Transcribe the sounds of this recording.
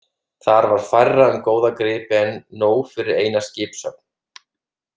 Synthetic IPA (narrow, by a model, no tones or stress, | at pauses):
θaɾvaɾ̥fajrːaʏmkoːwðakɾɪːpɛnːoːwfɪɾɪɾeːjnascɪːpsœp̚n̥